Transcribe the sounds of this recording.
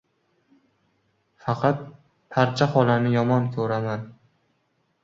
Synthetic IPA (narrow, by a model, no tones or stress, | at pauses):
fɑqʰɑt̪̚ | pʰaɾt͡ʃʰaχɒlanɪjɒmɒnkʲʰɵɾaman